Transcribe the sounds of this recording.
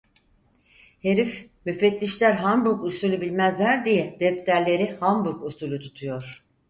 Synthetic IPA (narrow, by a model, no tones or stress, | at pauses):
he̞ɾif | myfɛt̪ːʲiʃlʲæɾɦanbuɾkusulʲubilʲmæzlʲæɾd̪ijɛd̪̥ɛft̪ʰæɾlʲe̞ɾihanbuɾkusulʲut̪ʰut̪ʰujo̞ɾ̝̥